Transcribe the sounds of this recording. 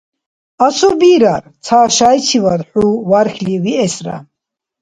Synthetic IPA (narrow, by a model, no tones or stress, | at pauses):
asubiɾaɾt͡sʰaːʃajt͡sʰivad̪ħuvaɾxliviɛsɾa̰